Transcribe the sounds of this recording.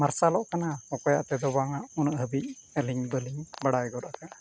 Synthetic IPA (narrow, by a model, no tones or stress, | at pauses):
maɾsalɔʔkanaɔkɔja̰ʔt̪ɛd̪ɔbaŋaʔunəʔɦəbic̚əliŋbəliŋbaɽajɡɔɾaʔka